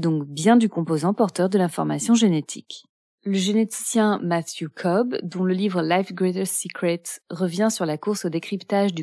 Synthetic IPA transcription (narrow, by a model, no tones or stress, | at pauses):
d̪ɔ̃kbjɛ̃d̪ykɔ̃pozɑ̃pɔʁt̪œʁd̪əlɛ̃fɔʁma̰sjɔ̃ʒenet̪ʰḭk | ləʒenet̪i̥sjɛ̃mat̪jøkʰɔbd̪ɔ̃ləlivʁəlafɡʁet̪əsikχɛt̪ʁəvjɛ̃syʁlakuʁsod̪ekχipt̪aʒd̪y